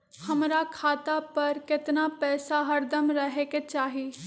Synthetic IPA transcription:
həmɾakʰaːt̪apɐɾkɪt̪napɛːsaɦəɾd̪əmɾəɦeːket͡ʃaːɦiː

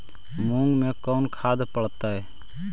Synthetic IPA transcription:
mũŋɡmẽkɔʊnkʰaːd̪pəɽt̪aɛ

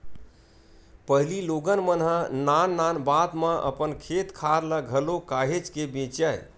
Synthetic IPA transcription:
pəɦililoɡənmənɦə̃nanːanbad̪mə̃ʔə̰pənkʰet̪kʰaɾləɡʱəlokaɦet͡ʃkebẽt͡ʃəj

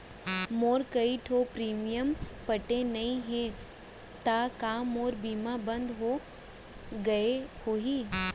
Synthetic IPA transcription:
moːɾkɐiʈʰopɾiːmijəmpɐʈenɐĩɦẽ | t̪akamoːɾbiːmabɐ̃nd̪ɦo | ɡɐehoːɦiː

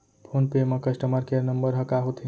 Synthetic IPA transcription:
pʰonpemʌkəsʈəməɾkeɾnəmbəɾɦəkaɦot̪ʰi

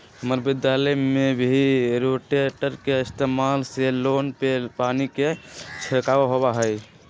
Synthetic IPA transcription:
ɦəməɾbid̪jaləjmebʱiɾoʈeʈəɾkeist̪emalselonpepaniket͡ʃʰəkaʋaɦobaɦəj

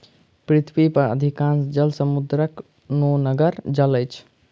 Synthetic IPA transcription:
pɾit̪ʰʋipəɾə̰d̪ʱikãnsd͡ʒəlsəmud̪ɾək | nonəɡəɾd͡ʒələjt͡ʃʰ

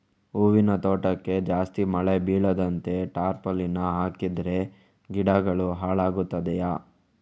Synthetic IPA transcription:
uːʋinɐt̪oːʈɐkːe̞d͡ʒaːst̪imɐɭebiːɭɐd̪ɐnt̪e̞ʈaːɾpɐlinɐɦaːkid̪ɾe̞ | ɡiɽɐɡɐɭuɦaːɭaːɡut̪ːɐd̪ɛjaː

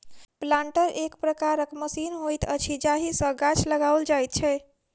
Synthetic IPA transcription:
plãɳʈəɾʔekpɾəkaɾəkməsinɦojt̪ət͡ʃʰid͡ʒaɦisə̃ɡat͡ʃʰləɡawld͡ʒajt̪̚t͡ʃʰɛ

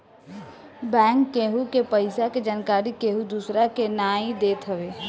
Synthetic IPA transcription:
bɛ̃ːŋkːeːɦukepəɪsaked͡ʒaːnkaːɾikeːɦud̪uːsɾakenaːĩd̪eːt̪ɦəʋeː

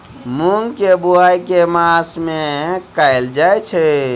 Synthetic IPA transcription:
muŋɡkebuajkemasmekaɪld͡ʒajt͡ʃʰɛ

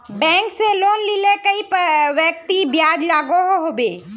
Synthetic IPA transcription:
bɛ̃ːŋkseloːnlilekɐipʋjək̚t̪ibjaːd͡ʒlaːɡoɦoɦoːbeː

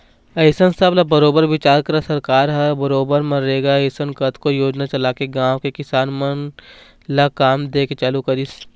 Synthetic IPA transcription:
ɐɪsənsəblabɐɾoːbəɾʋɪt͡ʃaːɾkɐɾasɐɾkaːɾɦɐɾbɐɾoːbəɾmɐ̃ɾeːɡaɐɪsənkɐt̪ʰkojoːd͡ʒnat͡ʃɐlaːkeɡãːʋkekɪsaːnmən | lakaːmd̪eːket͡ʃaːlukɐɾis

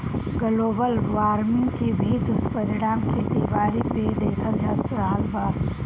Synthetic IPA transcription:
ɡɐloːbəlʋaːɾmɪ̃ŋɡkebʱiːt̪ʊspɐɾɪɽaːmked̪iːʋaːɾiped̪eːkʰəld̪ʱjaːspəɾaːlbaːɾ

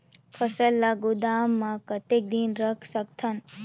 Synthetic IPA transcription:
kʰəsəlːaɡud̪aːmːãkət̪ek̚d̪inɾəkʰsək̚t̪ʰan

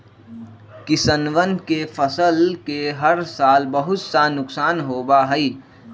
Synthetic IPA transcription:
kɪsənʋənkefʰəsəlkeɦəɾsaːlbəɦʊt̪sanʊksaːnɦoːbaɦɛi

